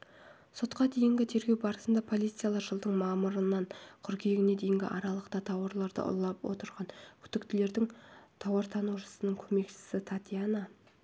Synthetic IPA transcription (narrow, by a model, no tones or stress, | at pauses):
so̞t̪qɑd̪e̞jɪŋɡʲɪt̪ʰe̞ɾɡʲewbɑɾəsənd̪ɑpʰo̞lˠit̪sɨjalˠɑʒəlˠd̪əɴmɑməɾənɑɴqʰʊɾkʲʰeeɡʲɪne̞d̪e̞jɪŋɡʲɪ̰ʔɑɾɑlˠəqt̪ɑt̪ʰɑwɑɾlˠɑɾd̪ə̰ʔʊ̰lˠɑpwo̞̰t̪əɾʁɑnkʲʰʏ̥t̪ɪkt̪ɪle̞ɾd̪ɪŋt̪ʰɑwɑɾt̪ʰɑnuwʃə̥sənəɴkʲʰɵme̞kʃɪ̥sɪt̪ʰat̪ʲijana